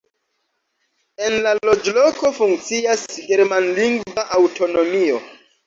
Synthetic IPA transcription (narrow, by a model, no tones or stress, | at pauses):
e̞nlalo̞d͡ʒlo̞ko̞fuŋkt͡siasɡe̞ɾmanliŋɡvaʔawtʰo̞no̞mio̞